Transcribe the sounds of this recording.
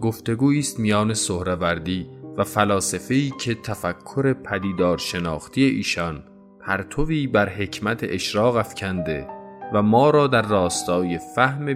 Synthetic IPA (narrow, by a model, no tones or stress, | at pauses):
ɡo̞ft̪e̞ɡuːiːst̪mijɒːne̞sohɾevæɾd̪iːvæfælɒːsefe̞iːcʰe̞t̪ʰæfækʰːoɾe̞pʰæd̪iːd̪ɒːɾʃe̞nɒːxt̪ʰije̞ʔiːʃɒn | pʰæɾt̪ʰoviːbæɾɦe̞cʰmæt̪ʰḛʔeʃɾɒːɣæfcʰænd̪e̞̰væmɒːɾɒːd̪æɾːɒːst̪ɒːje̞fæhme